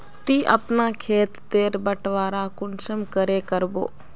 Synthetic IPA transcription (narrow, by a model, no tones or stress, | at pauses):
t̪iːʔə̰pnaːkʰeːt̪ːeːɾbəʈʋaːɾaːkʊnʃəmkəɾeːkəɾbo̰ː